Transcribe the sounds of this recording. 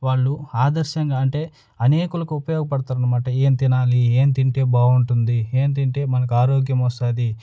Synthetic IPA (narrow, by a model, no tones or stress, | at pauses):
ʋaːɭːuaːd̪ɐɾʃɐŋɡaːɐɳʈe̞ː | ɐne̞ːkulɐkuupɐjoːɡɐpɐɽt̪aːɾɐnɐmaːʈɐe̞ːnt̪inaːlieːnt̪iɳʈe̞ːbaːuɳʈund̪ie̞ːnt̪iɳʈe̞ːmɐnɐk̬uaːɾoːɡjɐmɔst̪aːd̪i